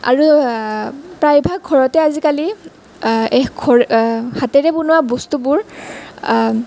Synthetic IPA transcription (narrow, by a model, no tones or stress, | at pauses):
a̰ɹu | pɹajbʱaɡ̚ɡʱɔɹɔtɛazikali | ɛxɡʰʱɔɹhatɛɹɛpunʊwabɔstubʊɹ